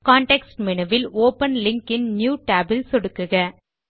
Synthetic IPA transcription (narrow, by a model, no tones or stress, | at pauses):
kaːɳʈɛksʈmɪɳɐʋɪloːpɐnlɪŋkɪnnjuːʈaːbɪlsɔɽɯkːɯɣɐ